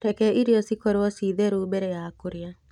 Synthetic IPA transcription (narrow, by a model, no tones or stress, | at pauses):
tɛkɛʔiɾjɔsikɔɾɔsiðeɾumɛɾɛjakuɾja